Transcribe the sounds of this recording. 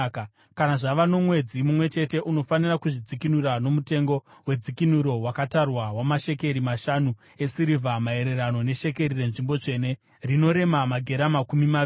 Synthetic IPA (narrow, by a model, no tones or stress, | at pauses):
k | kanaʐaʋano̞mwe̞d͡zimumwe̞t͡ʃe̞te̞ʔuno̞fanirakuʐid͡zikinuɾano̞mute̞ŋɡo̞we̞d͡zikinuɾo̞wakatarwawamaʃe̞ke̞ɾimaʃanu | e̞siɾivʱamae̞ɾe̞rano̞ne̞ʃe̞ke̞rire̞nʐimbo̞t͡ʂe̞ne̞ | rino̞ɾe̞mamaɡʱe̞ɾamakumima